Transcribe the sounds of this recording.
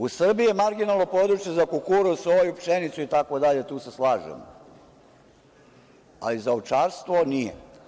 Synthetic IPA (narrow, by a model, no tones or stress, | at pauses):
usr̩biijemaɾɡinalˠno̞po̞d̪ɾut͡ʃje̞zakukuɾuusʋo̞jupʃenit̪suit̪akod̪aʎet̪uːseslaːʒḛm | a̰lizaowt͡ʃaːɾst̪ʋonijḛ